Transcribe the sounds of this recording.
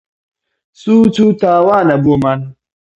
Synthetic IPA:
suːt͡ʃutaːwanaboman

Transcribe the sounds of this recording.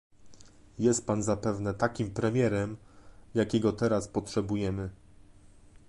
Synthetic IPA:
jɛst̪̚panzapɛvnɛt̪akʲimpɾɛmʲjɛɾɛmjakʲɛɡɔt̪ɛɾaspɔtʂɛbujɛmɘ

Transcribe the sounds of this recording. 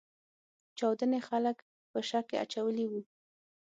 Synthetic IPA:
t͡ʃɑwd̪ənexalək | pəʃɑkea̰t͡ʃawəliwu

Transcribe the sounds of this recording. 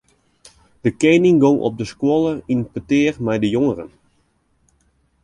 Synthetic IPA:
d̥əkeːnɪŋɡoŋʔɔ̰p̚dəskwolˠəinpətɪːrmɛjdəjoŋərən

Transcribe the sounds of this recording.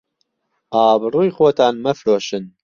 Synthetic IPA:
ʔɑːbɨruːjxoːt̪ʰɑːnmɛfɾoːʃɨn

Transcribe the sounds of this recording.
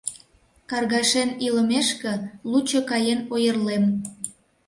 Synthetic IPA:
kɑrɣɑʃeniləmeʃkĕlut͡ɕokɑjenojərlem

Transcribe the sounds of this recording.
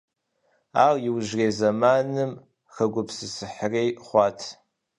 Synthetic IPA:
aːrjɪwʒreːzɐmaːnɨm | xɐɡʷʊpsɨsɨħrejχʷɑːtʰ

